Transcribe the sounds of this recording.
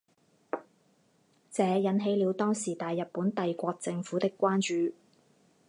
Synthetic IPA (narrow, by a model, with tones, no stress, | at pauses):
t͡sɛː˨˧jɐ˨˥nɦe˨˥jliː˨˧wt̪ɔː˥ŋsiː˨˩t̪aː˨jːɐ˨t̚pːuː˨˥nt̪ɐ˨jkʷɔː˧k̚t͡sɪ˧ŋfuː˨˥t̪ɪ˥kːʷaː˥nt͡ʃyː˨